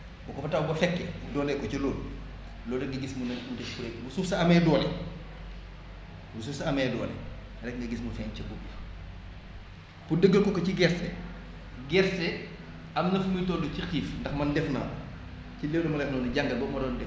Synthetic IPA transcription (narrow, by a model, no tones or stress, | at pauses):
bɔkɔfɐtawbɐfɛkːɛudɔːlɛkɔcɐloːl | lɔːldɐŋɡɐɡismunɐudɛfuɾɛkbusufsɐɐmɛːduːlɛ | busufsɐɐmɛːdɔːlɛ̰ | ɾɛkŋɡɐɡismufɛːncɐbubi | pudəɡːəlkɔkɔciɡɛɾsɛ | ɡɛɾsɛ | ɐmnɐfumitɔːdɔcixiːfndɐxmɐndɛfna̰ːn | cileːwlɐmɐlɛfnɐːnuɟaŋɡɐlbɔmɐdɔːndɛ